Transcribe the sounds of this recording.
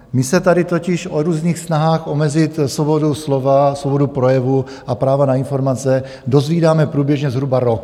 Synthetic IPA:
mɪsɛt̪adɪt̪ocɪʃʔoɾuːzniːxsnaɦaːxʔomɛzɪt̪svoboduslovasvobodupɾojɛvu | ʔapɾaːvanainfo̞ɾmat͡sɛ | do̞zviːdaːmɛpɾuːbjɛʒɲɛzɦɾubaɾok

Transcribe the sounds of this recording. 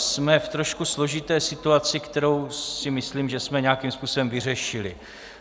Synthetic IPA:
smɛft̪ɾo̞ʃkuslo̞ʒɪt̪ɛːsɪt̪uat͡sɪkt̪ɛɾo̞wsɪmɪsliːmʒɛsmɛɲɛakiːmspuːso̞bɛmvɪr̝ɛʃɪlɪ

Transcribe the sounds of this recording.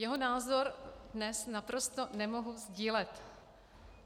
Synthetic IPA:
jɛɦonaːzoɾdnɛsnapɾo̞st̪o̞nɛmoɦuzɟiːlɛt̪

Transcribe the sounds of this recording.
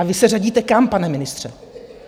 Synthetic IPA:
avɪsɛraɟiːt̪ɛkampanɛmɪnɪst̪r̝̥ɛ

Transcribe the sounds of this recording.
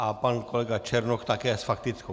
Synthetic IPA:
apankɔlɛɡat͡ʃʰɛɾnɔkʰt̪akɛəsfakt̪it͡sko

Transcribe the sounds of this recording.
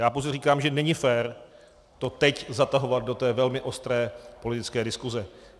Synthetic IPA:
jaːpowzɛriːkaːmʒɛnɛɲɪfɛːɾ | t̪o̞t̪ɛczat̪aɦo̞vat̪̚do̞t̪ɛːvɛlmɪʔo̞st̪ɾɛːpo̞lɪt̪ɪt͡skɛːdɪskuzɛ

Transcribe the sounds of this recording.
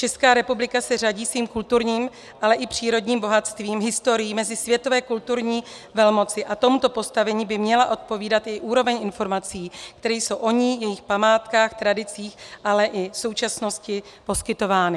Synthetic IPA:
t͡ʃɛskaːɾɛpublɪkasɛr̝aɟiːsviːmkult̪uɾɲiːm | ʔalɛʔɪpr̝̥iːɾo̞dɲiːmbo̞ɦat̪st̪viːmɦɪst̪o̞ɾɪjiːmɛzɪsvjɛt̪o̞vɛːkult̪uɾɲiː | vɛlmo̞t͡sɪʔat̪o̞mut̪o̞po̞st̪avɛɲiːbɪmɲɛlaʔo̞t̪̚po̞viːdat̪ʔɪʔuːɾo̞vɛɲʔɪnfo̞ɾmat͡siːkt̪ɛɾɛjso̞wʔo̞ɲiːjɛjɪxpamaːt̪kaːxt̪ɾadɪt͡siːxʔalɛʔɪso̞wt͡ʃasno̞scɪ | po̞skɪt̪o̞vaːnɪ

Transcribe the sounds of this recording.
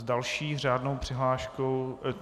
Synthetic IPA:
zdalʃiːr̝aːdnowpr̝̥ɪɦlaːʃkow

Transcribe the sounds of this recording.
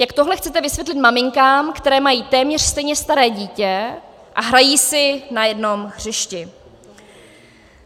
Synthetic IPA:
jakt̪oɦlɛxt͡sɛt̪ɛvɪsvjɛt̪lɪt̪mamɪŋkaːmkt̪ɛɾɛːmajiːt̪ɛːmɲɛr̥st̪ɛjɲɛst̪aɾɛːɟiːcɛ | ʔaɦɾajiːsɪnajɛdno̞mxr̝̥ɪʃcɪ

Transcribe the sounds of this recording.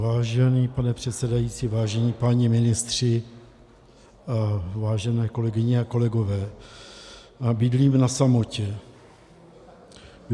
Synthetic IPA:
vaːʒɛniːpanɛpr̝̥ɛt̪sɛdajit͡sivaːʒɛɲiːpaɲɪmɪnɪst̪r̝̥ɪ | avaːʒɛnɛːko̞lɛɡɪɲɛako̞lɛɡo̞vɛː | abidliːmnasamo̞cɛ

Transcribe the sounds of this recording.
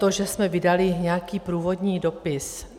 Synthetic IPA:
t̪oʒɛsmɛvɪdalɪɲɛakiːpɾuːvo̞dɲiːdo̞pɪs

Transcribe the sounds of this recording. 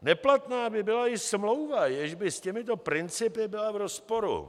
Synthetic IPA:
nɛplat̪naːbɪbɪlaɪsmlo̞wvajɛʒbɪscɛmɪt̪̬o̞pɾɪnt͡sɪpɪbɪlavɾospo̞ɾṵ

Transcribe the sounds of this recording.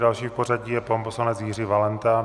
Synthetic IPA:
dalʃiːfporaɟiːjɛpomposlanɛt͡sjiːriːvalɛnt̪a

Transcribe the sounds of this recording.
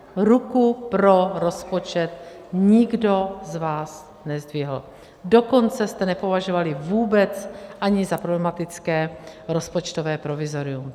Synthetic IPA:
ɾukupɾo̞ɾo̞spo̞t͡ʃɛt̪̚ | ɲɪɡdo̞zvaːs | nɛzd̪vɪɦl̩ | do̞ko̞nt͡sɛst̪ɛnɛpovaʒovalɪvuːbɛt͡sʔaɲɪzapɾoblɛmat̪ɪt͡skɛːɾo̞spot͡ʃt̪ovɛːpɾovɪzo̞ɾɪum

